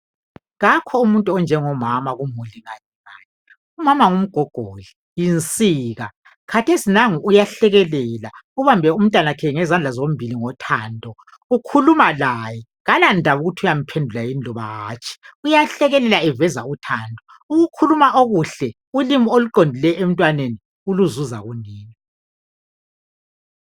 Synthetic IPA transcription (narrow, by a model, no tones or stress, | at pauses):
ɣakʰɔumuntʼuɔnd͡ʒʱɛŋɔmamaɣumuliŋaɲɛŋaɲɛ | umamaŋum̩ɡ̥ʱɔɡ̥ʱoli | jint͡sʼiːɣa | kʰatʰesinaŋuːjaɬɛɣɛlɛlauβambʱɛum̩tʼwanakʰɛŋɛzand͡ɮʱazom̩bʱiliŋɔtʰaːndʱɔ | ukʰulumalajɛ | ɣalandʱaβuɣutʰiujam̩pʰendʱulajind͡ɮʱɔβa̰ɣa̰ːt͡ʃʼʰi̥ujaɬɛɣɛlɛlaɛvɛza̰utʰaːndʱʼɔ | uɣukʰulumaʔoɣuɬɛ | ulimioluǃondʱilɛem̩tʼwaneni | uluzuza̰ɣuniːni